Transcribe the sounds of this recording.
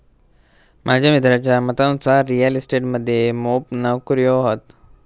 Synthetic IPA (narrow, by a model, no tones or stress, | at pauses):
mʔad͡ʑʱamid̪ʱɾat͡ɕamət̪anusaɾːijəlisʈeːʈməd̪ʱjemoːpnəʋkɾijoɦot̪